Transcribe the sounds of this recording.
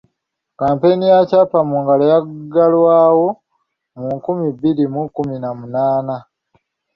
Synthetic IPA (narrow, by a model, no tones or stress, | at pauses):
kaːmpe̞nijacapamuŋɡalajaɡalwaːwo̞ | muŋkumibiɾimukuminamunaːna